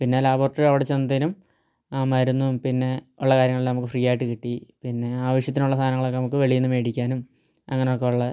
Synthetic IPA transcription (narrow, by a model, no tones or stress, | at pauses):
pinːaːlaːbo̞ːrʈɐrɐʋiɽet͡ɕːenːɐt̪enum | mɐɾunːupinːe̞uɭːɐkaːɾjɐŋɐɭilnɐmukːɨfriːjaːjiʈːɨkiʈːipinːe̞aːʋɐʂjɐt̪̬ːinuɭːɐst̪ʰaːnɐŋːɐɭo̞kːenɐmukːɨʋeɭijunːume̞ːɽikʲːaːnum | ɐŋːɐneo̞kːe̞uɭːɐ